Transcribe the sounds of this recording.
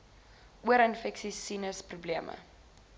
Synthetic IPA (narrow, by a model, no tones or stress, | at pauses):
ʔuəɾənfɛksisinəsprubliəmʔə̰